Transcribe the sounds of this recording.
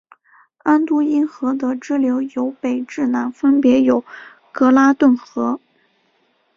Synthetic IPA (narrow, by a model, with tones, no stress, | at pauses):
a˥nt̪u˥i˥nxɤ˧˥d̪ə˧ʈ͡ʂɻ̩˥ljo˧˥ʊjo˧˥ʊpe˨˩ɪʈ͡ʂɻ̩˥˩na˧˥nfə˥npjɛ˧˥jo˨˩ʊ | kɤ˧˥la˥t̪wə˥˩nxɤ˧˥